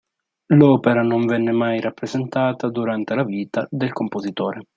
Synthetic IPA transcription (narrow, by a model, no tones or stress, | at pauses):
lɔːpeɾanoɱvɛnːemajrapːɾezent̪aːt̪ad̪uɾant̪elaviːt̪ad̪elkompozit̪ɔːɾe